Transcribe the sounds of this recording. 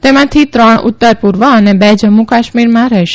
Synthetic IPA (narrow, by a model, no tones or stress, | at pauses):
t̪emãt̪ʰit̪ɾəɳṵt̪ːəɾpuɾʋəənebɛd͡ʒəmːukaʃmiɾmãɾəɦʃe